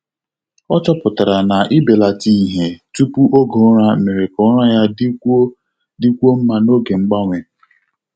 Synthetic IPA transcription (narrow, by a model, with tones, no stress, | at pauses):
ɔ˦t͡ʃɔ˦pʊ˨ta˨ɾa˨na˨ʔi˦be˨la˨ti˦i˦ɦe˨tu˦pu˦ʔo˦ɡo˨˦ɾa˦˨me˨ɾe˨kʊ˨˦ɾa˦ja˦d | di˦kʷo˦m̩˦ma˦no˦ɡe˨ŋ͡m̩˦ɡ͡ba˦ŋʷe˨